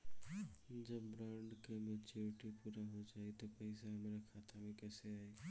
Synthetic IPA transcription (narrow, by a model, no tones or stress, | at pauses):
d͡ʒəbːɾaɳɖkemet͡ʃuɾiʈipuɾaɦod͡ʒajt̪ɔpəɪsaɦəmɾakʰat̪ʰamekəseae